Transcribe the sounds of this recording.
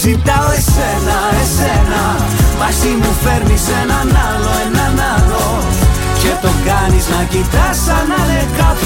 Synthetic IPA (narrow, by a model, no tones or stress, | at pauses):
sit̪aesenaesena | masimufeɾmisenanaloenanalo | ket̪okaniznakit̪asanaðeka